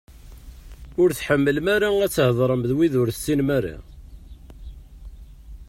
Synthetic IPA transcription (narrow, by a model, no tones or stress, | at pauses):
ʊɾθħəmːəlmæɾaæt͡sːhðˤɾˤəmðwiðʊɾθsːinmæra̰